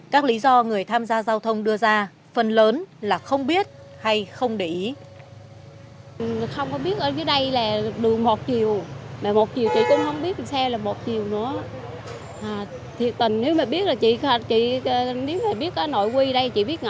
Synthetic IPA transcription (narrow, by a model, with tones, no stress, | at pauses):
kaː˦˥k̚li˨˦zɔ˧ŋɨ˨˩əjt̪ʰaː˧mzaː˧zaː˧wt̪ʰə˧wŋ͡mɗɨ˧əzaː˧ | fə˧˩nləː˨˦nlaː˨˩xə˧wŋ͡mɓi˦˥ət̚ | ha˧jxə˧wŋ͡mɗḭ˧˩˨ | xə˧wŋ͡mkɔ˨˦ɓi˦˥ət̚ʔəː˨˩vəː˨˦ɗə˧jlaː˨˩ɗɨ˨˩ək̚mo˨˩t̚t͡ɕi˨˩əwmaː˨˩mo˨˩t̚t͡ɕi˨˩wt͡ɕḭ˧˨kʊ̰˧˥ŋ͡mhə˧wŋ͡mɓi˦˥ət̚sa˧wlaː˨˩mo˨˩t̚t͡ɕi˨˩əwnɨ̰˧˥ə | ʔaː˨˩ | t̪ʰi˨˩ək̚t̪ï˨˩ŋ̟ne˨˦wmaː˨˩ɓi˦˥ət̚laː˨˩t͡ɕḭ˧˨˧t͡ɕḭ˧˨ne˨˦wmaː˨˩ɓi˦˥ət̚kɔː˨˦no̰˧˨jkwi˧ɗə˧jt͡ɕḭ˧˨ɓi˦˥əŋ˧˨